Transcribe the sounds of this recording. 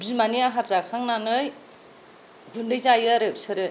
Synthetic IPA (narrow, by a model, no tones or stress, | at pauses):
bizmaniaɦazakʰaŋnanɯj | ɡundɯjzajaɾɯpsɯɾɯ